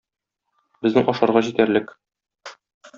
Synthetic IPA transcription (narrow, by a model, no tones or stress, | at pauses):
bɘ̆znɘŋʔɒʃɑɾʁɑʑit̪æɾlɘk